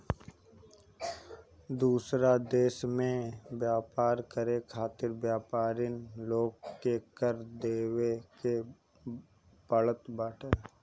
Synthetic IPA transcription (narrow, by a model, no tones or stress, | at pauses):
d̪uːsɾad̪eːʃmẽbjaːpaːɾkəɾekʰaːt̪ɪɾbjaːpaːɾɪnloːɡkːekəɾd̪eːweke | pələt̪baːʈʰəɾ